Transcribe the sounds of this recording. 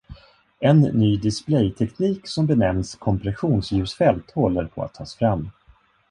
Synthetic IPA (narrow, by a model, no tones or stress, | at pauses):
ɛnːyːd̪ɪsplɛjt̪ʰɛkniːksɔmbɛnɛmnskʰɔmpɾɛɧuːnsjʉ̟ːsfɛlt̪hɔlːəɾpʰɔ̰a̰t̪ʰːɑːsfɾamː